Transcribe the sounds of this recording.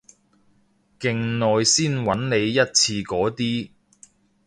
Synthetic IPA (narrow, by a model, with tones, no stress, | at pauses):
kɪ˧ŋnɔː˨˧jsiː˥˩nwɐ˨˥nne˨˧jːɐ˥t̚t͡sʰiː˧kɔː˨˥t̪iː˥